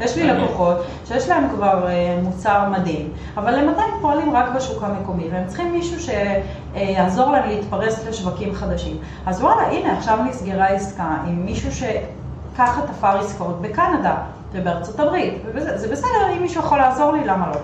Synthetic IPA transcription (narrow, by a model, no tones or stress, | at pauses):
jeʃlilekuχo̞t | ʃejeʃlae̞mkvaʁemut͡saʁmadim | avalːe̞matajmpoalimʁakbeʃukameko̞mitveemt͡si̥χimːiʃuʃe̞ | jazo̞ʁlaemleitpaʁe̞sleʃvakimχad̪aʃim | azwalaʔine̞aχʃavnisɡeʁaiskaimːiʃuʃe̞ | kaχatafaʁiskaotbe̞kanada | vebeaʁt͡so̞tabʁitvebezezebesedeʁimːiʃujeχolaːzo̞ʁlilamalo̞